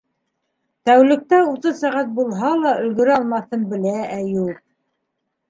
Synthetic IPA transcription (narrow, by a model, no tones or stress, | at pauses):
t̪æwlɘ̆k̚t̪æut̪ɤsæʁæt̪̚bulˠɦɑlˠɑʔɵ̆lɡɵ̆ɾɘɑlˠmɑθɤnbɘ̆læːjuq̚